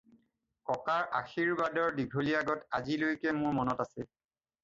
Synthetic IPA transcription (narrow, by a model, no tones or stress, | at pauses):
kɔkaɹʔa̰xiɹbadɔɹdiɡʱoliaɡɔtazilojkɛmʊɹmɔnɔtasɛ